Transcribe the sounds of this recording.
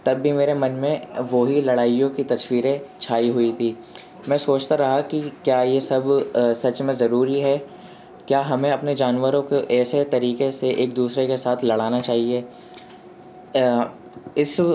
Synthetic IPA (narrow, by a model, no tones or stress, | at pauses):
t̪ɐbʱːimeːɾemɐnmẽʋoɦilɐɽaːijõkit̪ɐswiːɾẽt͡ʃʰaːiɦʊit̪ʰiː | mɛ̃ːsoːt͡ʃt̪aɾɐɦakikjaːjesɐbsɐt͡ʃmẽzɐɾuːɾiɦɛ | kjaːɦɐmẽɐpned͡ʒaːnʋəɾõkoʔɛːset̪ɐɾiːkeseʔeːk̚d̪uːsɾekesaːt̪ʰlɐɽaːnat͡ʃaːɦie | ɪs